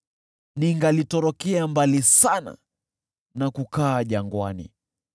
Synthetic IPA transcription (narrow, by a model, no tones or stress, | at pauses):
niŋɡalitɔɾɔkɛambalisana̰ | nakukaːʄaŋɡwanḭ